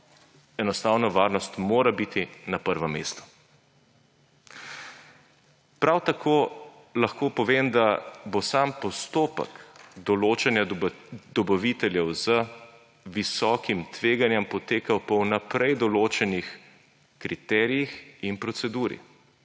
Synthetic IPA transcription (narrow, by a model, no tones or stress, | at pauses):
ɛnɔst̪aːwnɔʋaːɾnɔst̪moːɾabit̪inapəɾʋɛmːeːst̪ɔ̥ | pɾawt̪akʰoː | laxkoːpɔʋemd̪abosaːmpɔst̪oːpə̰kd̪ɔloːt͡ʃɛnjad̪ɔbɐʋit̪ɛljɛwzə | ʋisɔkimt̪ʋeːɡanjɛmpɔt̪eːkawpɔwnapɾɛjd̪ɔloːt͡ʃɛnix | kɾit̪ɛːɾijixinpɾɔsɛd̪uːɾḭ